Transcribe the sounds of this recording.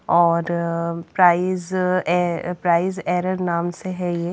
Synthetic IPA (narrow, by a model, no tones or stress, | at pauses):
ɔːɾpɾaːɪz | pɾaːɪzɛːɾəɾnaːmseɦɛje